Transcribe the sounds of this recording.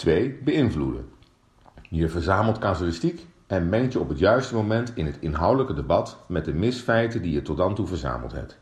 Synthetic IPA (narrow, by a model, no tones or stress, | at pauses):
tʋejbəɪnvludə̰ | jəɹvəɹzaːməlˠtkaːzəlɪstik | ɛnmɛŋtjəɔpɦətjœɥstəmowmɛntɪnɦətɪnɦɑwdələkədəbɑtmɛd̚əmɪsfɛjtədijətɔd̚dɑntuvəɹza̰ːməlˠtɦɛ̰p̚t